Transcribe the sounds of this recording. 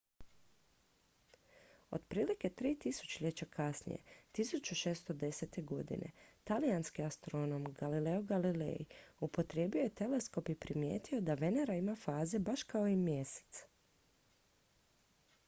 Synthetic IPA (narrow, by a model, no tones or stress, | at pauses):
o̞̰d̪pɾiːlike̞t̪ɾiːt̪isu̥t͡ɕeʎet͡ɕakʰasnḭje̞̰t̪isut͡ɕuʃe̞ːst̪o̞d̪e̞se̞t̪e̞ɡo̞d̪ḭnʔe̞̰t̪alijanskiast̪ɾo̞no̞mɡ̥alile̞oɡalilḛjiupo̞t̪ɾje̞ːbio̞jet̪e̞le̞sko̞pipɾimje̞̰ːt̪io̞d̪aʋe̞neɾaimafaːze̞baʃkao̞imje̞se̥t̪s